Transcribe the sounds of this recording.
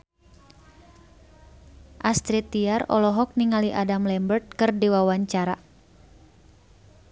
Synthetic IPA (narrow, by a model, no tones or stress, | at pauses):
ʔast̪ɾit̪iarɔ̰lɔɦɔk̚niŋaliʔadamlɛmbərt̪̚kɨrdiwawaɲt͡ʃaɾa